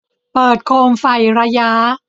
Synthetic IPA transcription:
pɤː˨˩t̪̚kʰoː˧mfa˨˩jɾa˧ja˦˥

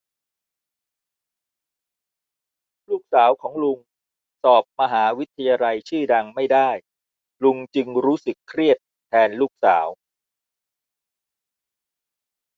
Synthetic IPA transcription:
luː˥˩k̚saː˩˦wkʰɔː˩˦ŋlu˧ŋ | sɔː˨˩p̚ma˧ɦaː˩˦wi˦˥t̪ʰːa˧jaː˧la˧jt͡ɕʰɯː˥˩da˧ŋma˥˩jdaː˥˩j | lu˧ŋt͡ɕɯ˧ŋɾuː˦˥sɯ˨˩kʰːɾi˥˩ət̪̚ʰːɛː˧nluː˥˩k̚saː˩˦w

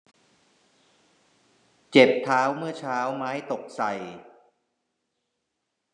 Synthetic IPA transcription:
t͡ɕe˨˩p̚t̪ʰːaː˦˥wmɯ˥˩ɐt͡ɕʰaː˦˥wmaː˦˥jt̪o˨˩k̚sa˨˩j

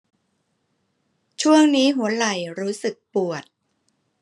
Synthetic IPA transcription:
t͡ɕʰu˥˩əŋniː˦˥ɦu˩˦ɐla˨˩jɾuː˦˥sɯ˨˩k̚pu˨˩ət̪̚

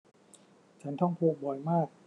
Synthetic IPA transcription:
t͡ɕʰa˦˥nt̪ʰɔ˥˩ŋpʰoː˧k̚bɔ˨˩jmaː˥˩k̚

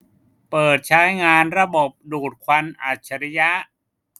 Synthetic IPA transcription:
pɤː˨˩t̪̚t͡ɕʰa˦˥jŋaː˧nɾa˧bo˨˩p̚duː˨˩t̪̚kʰwa˧nʔaː˨˩t̪̚t͡ɕʰa˧ɾa˧ja˦˥ʔ

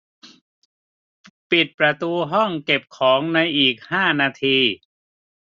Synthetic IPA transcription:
pi˨˩t̪̚pɾa˧t̪uː˧ɦɔ˥˩ŋke˨˩p̚kʰɔː˩˦ŋna˧jʔiː˨˩k̚haː˥˩naː˧t̪ʰiː˧

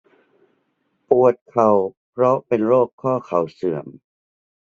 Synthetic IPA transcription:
pu˨˩ət̪̚kʰa˨˩wpʰɾɔ˦˥pe˧nɾoː˥˩kʰːɔː˥˩kʰa˨˩wsɯ˨˩˦əm

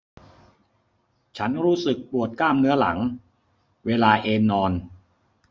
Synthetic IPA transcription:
t͡ɕʰa˦˥nɾuː˦˥sɯ˨˩k̚pɾu˨˩ət̪̚klaː˥˩mnɯ˦˥ɐla̰˩˦ŋ | weː˧laː˧ʔeː˧nːɔː˧n

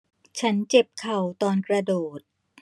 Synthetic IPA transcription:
t͡ɕʰa˦˥nt͡ɕe˨˩p̚kʰa˨˩wt̪ɔː˧nkɾa˧doː˨˩t̪̚

